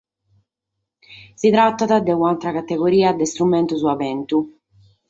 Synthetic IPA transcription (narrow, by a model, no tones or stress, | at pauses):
sit̪ɾat̪ːaðad̪ɛunalt̪ɾakat̪ːeɡoɾiːad̪ɛst̪ɾumɛnt̪uzuavɛnt̪u